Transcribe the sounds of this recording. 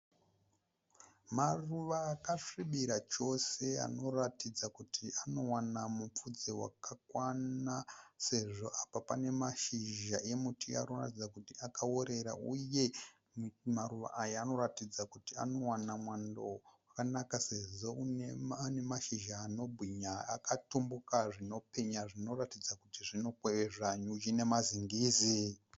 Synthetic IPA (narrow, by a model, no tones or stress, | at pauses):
maruʋaːkaʂiɓiɾat͡ʃo̞sea̰no̞ratid͡zakutiano̞wanamup͡fud͡zewa̰kʰakwanase̞ʐo̞ʔapapane̞maʃiʒae̞mutia̰noratid͡zakutiakaoɾe̞ɾa̰uje̞ | mmaɾuʋa̰ʔajaːno̞ratid͡zakutia̰no̞wanamwandowakanakase̞ʐo̞uneane̞maʃiʒaːno̞bʱwiɲaa̰katumbukaʐino̞pe̞ɲaʐino̞ratid͡zakutiʐinokweʐaɲud͡ʒine̞maziŋɡiːzi